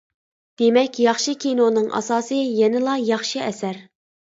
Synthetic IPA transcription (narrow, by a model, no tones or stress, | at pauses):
d̪̥emɛkʲjɑχʃikʲʰinonɨŋʔɑ̰sɑːsɨjɛnɪlˠɑjɑχʃiɛsæɾ